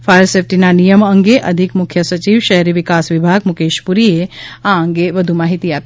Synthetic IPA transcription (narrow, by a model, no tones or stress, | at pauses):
faːɾsefʈinanijəmɐŋɡeʔɐd̪ʱikmʊkʰːjəsɐt͡ʃiːʋʃɐɦɾiʋɪkaːsʋɪbʱaːɡmʊkeːʃpuɾieãɐ̃ŋɡeʋɐd̪ʱumaːɦit̪iaːt̪